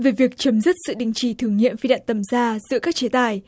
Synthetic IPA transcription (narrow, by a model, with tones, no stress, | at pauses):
ve˨˩vi˨˩ək̚t͡ɕə˨˦mzɨ˦˥t̚sɨ̰˧˨ɗï˨˩ŋ̟t͡ɕi˧˩t̪ʰɨ˨˩əŋḭ˧˨əmfi˧ɗa̰ː˧˨nt̪ə˨˩mzaː˧zɨ̰˧˥kaː˦˥k̚t͡ɕe˨˦t̪aː˨˩j